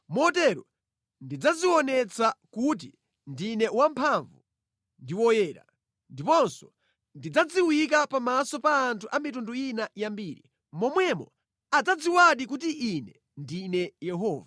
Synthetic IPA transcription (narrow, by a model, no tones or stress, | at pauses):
mɔtɛɾɔ | ndid͡zaziwɔnɛt͡sakut̬i | ndinɛwampʰaɱvu | ndiwɔjɛːɾa̰ | ndipɔnsɔ̥ | ndid͡zad͡ziwik̬apamasɔpaːntʰuʔamitunduinajambiːɾi | mɔmwɛmɔ̰ | ad͡zad͡ziwaɗikutiʔinɛ | ndinɛjɛɦɔːva